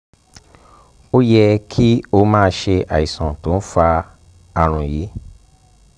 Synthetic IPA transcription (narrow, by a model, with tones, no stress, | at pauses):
o˦jɛ˧kʰi˦o˧˦mãː˦˧˦ʃe˧ʔa̰˨i˨sɔ̃˨to˨˦n̩˦fa˧ | a˧ɾ̃ũ˧˨ji˨˦